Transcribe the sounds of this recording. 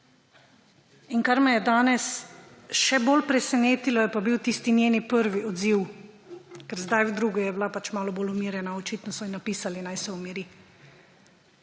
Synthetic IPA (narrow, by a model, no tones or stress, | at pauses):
inkaɾmɛjɛd̪aːnɛsʃɛbolpɾɛsɛneːt̪ilɔjɛpabiwt̪ist̪inʲjeːnipəɾʋiʔɔd̪ziw | kɛɾzd̪ajwd̪ɾuɡɔjɛblapat͡ʃmaːlɔboːlumiːɾjɛnaɔt͡ʃit̪nɔsɔinapiːsalinajsɛɔmiɾi